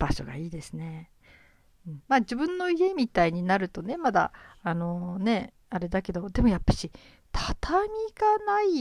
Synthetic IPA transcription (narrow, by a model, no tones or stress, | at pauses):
b̥aɕo̞̰ɡa̰iːd̪e̞sɨne̞ | ɯ̟̃ɴmaːd͡ʑibɯ̟̃nːo̞ie̞mʲit̪aiɲ̟inaɾɯ̟t̪o̞ne̞mad̪a̰ːno̞ne̞ | aɾe̞d̪ake̞d̪o̞d̪e̞mo̞japːḁɕi | t̪ʰat̪ʰamʲiɡanai